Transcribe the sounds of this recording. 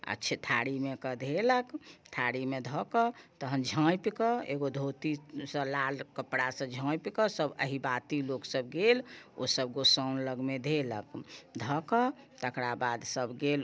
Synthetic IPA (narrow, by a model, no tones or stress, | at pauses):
ə̰t͡ʃʰit̪ʰaɽimekəd̪ʱeləkt̪ʰaɽimed̪ʱɔkɔt̪əɦənd͡ʒʱə̃jpikɔḛɡod̪ʱot̪isə̃lalkəpɽasə̃d͡ʒʱə̃jpikɔsəbə̰ɦibat̪iloksəb̚ɡelo̰səbɡosənləɡmed̪ʱelə̰kd̪ʱɔkɔ | t̪əkɾabad̪səbɡel